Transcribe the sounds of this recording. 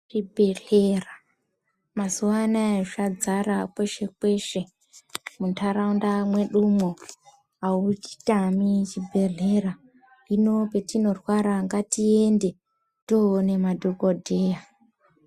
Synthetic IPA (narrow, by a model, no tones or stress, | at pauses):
ribʱe̞ɮ̥era | mazuanaʂad͡zarakweʃe̞kwe̞ʃe̞ | muntʰaɾaundamwe̞ɗumo | aut͡ʃi̥tamit͡ʃibʱe̞ɮe̞ra | ino̞pe̞tino̞rwaɾaŋɡatie̞nde̞ | toːne̞madʱokodʱe̞ja